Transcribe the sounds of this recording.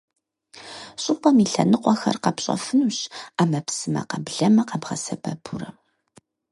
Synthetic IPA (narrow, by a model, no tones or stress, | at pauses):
ɕʼɪpʼɐmiɬɐnɨqʷʼɔxɐ̰rqɐpɕʼɔ̰fɨnuɕaːmɐpsɨmɐ̰qɐbɮɐmɐqɑbʁɐsɐbɐpʰuɾɐ